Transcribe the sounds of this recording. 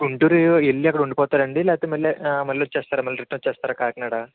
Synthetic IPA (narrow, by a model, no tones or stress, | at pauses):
uɳʈuɾuelːiɐkːɐɽɐuɳɖipɔːt̪aːɾɐɳɖilɛːɐt̪eːmɐlːemɐlːioːt͡ʃɛːst̪aːɾamɐlːɐɾeʈːnot͡ʃːt͡ʃɛːst̪aːɾaːkaːɐkɐnaːɽaː